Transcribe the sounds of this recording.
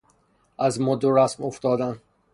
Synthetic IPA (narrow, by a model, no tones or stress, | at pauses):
æzmod̪oɾæsmoft̪ɒːd̪æn